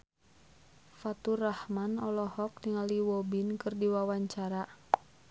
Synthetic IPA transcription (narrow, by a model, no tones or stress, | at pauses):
fat̪urahmanɔlɔhɔk̚niŋaliwɔbinkɨrdiwawaɲt͡ʃaɾa